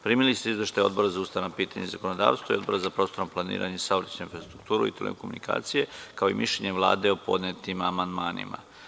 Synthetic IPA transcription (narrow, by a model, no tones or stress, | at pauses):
pɾiːmilist̪eizʋe̞ʃt̪ajo̞d̪bo̞ɾazaust̪aʋanapiːt̪aɲezakonod̪a̰ːʋst̪ʋoio̞d̪bo̞ɾazapɾo̞ːst̪o̞ɾoplˠanḭːɾa̰ɲesaʋɾt͡ɕnoinfɾast̪ɾuk̚t̪uːɾṵit̪elḛkomunika̰ːt̪sije̞kaoimiʃleɲe̞ʋlˠa̰ːd̪eopo̞̰d̪net̪imamand̪maːnḭma̰